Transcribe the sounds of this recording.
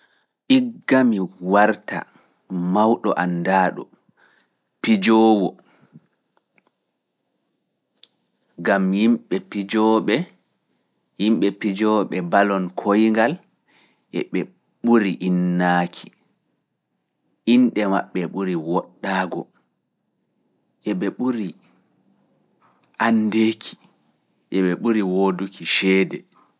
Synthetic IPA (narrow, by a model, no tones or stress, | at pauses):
ʔiɡːamiwaɾta̰ | mawɗɔʔandaːɗɔ̰ | pid͡ʒɔːwɔ | ɡamjimɓɛpid͡ʒɔɓɛ | jimɓɛpid͡ʒɔɓɛbalɔnkʰojŋɡal | ʔɛɓɛ | ɓuɾiʔinːaːkʰi̥ | ʔinɗɛma̰ɓːɛɓuɾiwɔɗːaːɡɔ | ʔɛɓɛɓuɾi | ʔandekʰi̥ | ʔɛɓɛɓuɾiwoːdukiʃɛːdɛ